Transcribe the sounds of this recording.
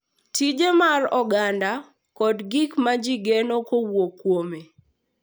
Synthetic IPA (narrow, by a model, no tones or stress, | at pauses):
tid͡ʒemarɔɡanda | kɔdɡikmad͡ʒiɡenokowokːwome